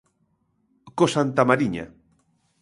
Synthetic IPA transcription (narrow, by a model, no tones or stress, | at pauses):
kosant̪amaɾiɲa̰